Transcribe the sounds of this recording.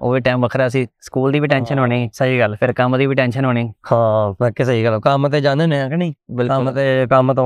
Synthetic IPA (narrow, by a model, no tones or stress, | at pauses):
o̰ːʋiːʈɛːmbəkʰɾɛːəsĩːsə̥kuːld̪iːʋiːʈɛ̃ːnʃənɦoːniːsəɦiːɡəlpʰɪɾkəmd̪iːʋiːʈɛ̃ːnʃənɦoːniːhãːbːkeːsəiːɡəloːkəmət̪eːd͡ʒãːnd̪enẽːkniːbɪlət̪eːkəmt̪õː